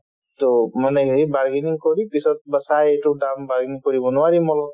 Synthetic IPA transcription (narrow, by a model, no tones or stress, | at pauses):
t̪omaneɡibaɾɡiniŋkɔɾipisɔt̪̚bəsajeʈudambaɾɡiniŋkɔɾibɔnuwaɾimɔlɔ